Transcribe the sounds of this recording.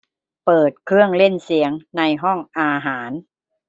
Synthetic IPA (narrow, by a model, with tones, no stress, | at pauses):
pɤː˨˩t̪̚kʰɯ˥˩əŋle˥˩nsi˩˦əŋna˧jɦɔ˥˩ŋʔaː˧ɦaː˩˦n